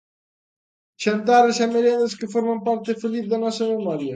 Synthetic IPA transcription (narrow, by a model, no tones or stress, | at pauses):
t͡ʃent̪aɾesameɾjaneskefoɾmampaɾt̪efelip̚d̪enɔsɾɐmemɔɾja